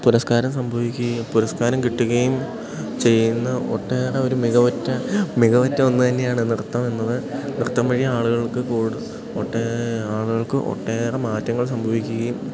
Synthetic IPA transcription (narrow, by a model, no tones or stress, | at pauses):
puɾɐskaːɾɐmsɐmbʱɐʋikʲːuɣɐjumpuɾɐskaːɾɐmkiʈːuɣɐjum | t͡ɕe̞jːunːɐoʈːeːreo̞ɾumiɣɐʋɐtːɐmiɣɐʋɐtːɐo̞nːɨt̪ɐnːe̞jaːɳɨnirt̪ːɐmenːɐðɨnirt̪ːɐmpɐɻijːɐaːɭuɣɐɭkɨkuːɽu | oʈːeaːɭuɣɐɭkɨʔo̰ʈːeːrɐmaːtːɐŋːɐɭsɐmbʱɐʋikʲːuɣɐjum